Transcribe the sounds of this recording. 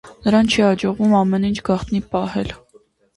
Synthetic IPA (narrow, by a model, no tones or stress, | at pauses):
nəɾɑnt͡ʃʰihɑd͡ʒɔʁvumɑmɛnint͡ʃʰɡɑχt̪nipɑhɛl